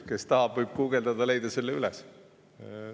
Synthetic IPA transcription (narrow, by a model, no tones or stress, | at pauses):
ke̞st̪ɑɦɑb̥vɯjb̥̚kuɡeld̪ɑd̪̥ɑle̞jd̪̥ɑse̞lːeyles